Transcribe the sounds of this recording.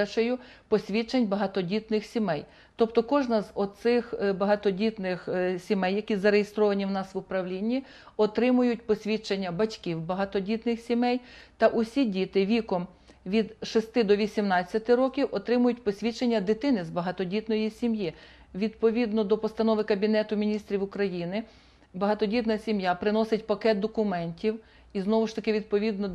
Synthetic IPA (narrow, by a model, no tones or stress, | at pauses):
ʃejʊ | pɔsʲʋʲit͡ʃenʲbɐɦɑt̪ɔdʲit̪nɪxsʲimɛj | t̪ɔpt̪ɔkɔʒnɐzɔsɪxbɐɦɑt̪ɔdʲit̪nɪxsʲimɛjːɐkʲizɐɾejest̪ɾɔʋɐnʲiwnɑsʋʊpɾɐwlʲinʲːi | ɔt̪ɾɪmʊjʊtʲpɔsʲʋʲit͡ʃenʲːɐbɐtʲkʲiwbɐɦɑt̪ɔdʲit̪nɪxsʲimɛjt̪ɐʔʊsʲidʲit̪ɪʋʲikɔm | ʋʲid̪ʃɪst̪ɪd̪ɔʋʲisʲimnɑt͡sʲːɐt̪ɪɾɔkʲiwʔɔt̪ɾɪmʊjʊtʲpɔsʲʋʲit͡ʃenʲːɐd̪ɪt̪ɪnɪzbɐɦɑt̪ɔdʲit̪nɔjisʲimji | ʋʲid̪̚pɔʋʲid̪nɔd̪ɔpɔst̪ɐnɔʋɪkɐbʲinɛt̪ʊmʲinʲist̪ɾʲiwʊkɾɐjinɪ | bɐɦɑt̪ɔdʲit̪nɐsʲimjapɾɪnɔsɪtʲpɐkɛt̪̚d̪ɔkʊmɛnʲtʲiw | iznɔʋʊʃt̪ɐkɪʋʲid̪̚pɔʋʲid̪nɔ